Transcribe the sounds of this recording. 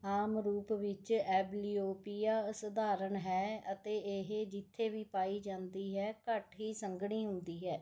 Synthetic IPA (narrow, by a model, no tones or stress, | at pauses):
aːmɾuːpʋɪt͡ʃɛːbliːoːpijaːsəd̪aːɾəɳɦɛːət̪eːeɦed͡ʒɪt̪ʰːeːʋiːpaːiːd͡ʒãːnd̪iːɦɛːkəʈɦiːsəŋɡɳiːɦʊ̃nd̪iːɦɛː